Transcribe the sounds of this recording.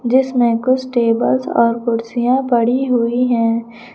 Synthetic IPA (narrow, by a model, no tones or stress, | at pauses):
d͡ʒɪsmẽkʊt͡ʃʰʈeːbəlsɔ̰ːɾkʊɽsijãpɐɽiɦʊiɦɛ̃ː